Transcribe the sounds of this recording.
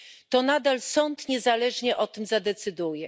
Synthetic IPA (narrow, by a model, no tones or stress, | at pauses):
t̪ɔnad̪alsɔnt̪ɲɛzalɛʐɲɛʔɔt̪ɘmzad̪ɛt̪sɘd̪ujɛ